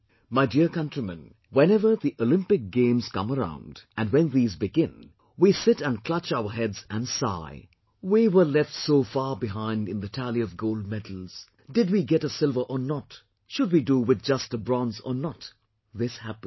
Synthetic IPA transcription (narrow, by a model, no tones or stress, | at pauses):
maɪdiɹkʌ̃ntɹ̥imɨ̃n | wɛ̃nɛvə˞ðiʔolɪ̃mpɨk̚ɡ̥ẽɪ̃mz̥kʌ̰̃məɹã̰ʊ̃ndʔɨ̃nwɛ̃nðiːzbɨɡɪ̃n | wisɪɾɨ̃nkʰl̥ʌt͡ʃaʊə˞ɦɛdz̥ɨ̃nsa̰ɪ | wiwə˞lɛftsoʊfɑɹbɪɦãɪ̃ndɨ̃nðɨtʰælˠiʌvɡoʊlˠd̚mɛdl̩ˠz̥ | dɨd̚wiɡɛɾəsɪlˠvə˞ʔənɔt | ʃʊd̚widuwɪð̚d͡ʒʌstəbɹɔ̃nzə̰˞nət | ðɪshæpn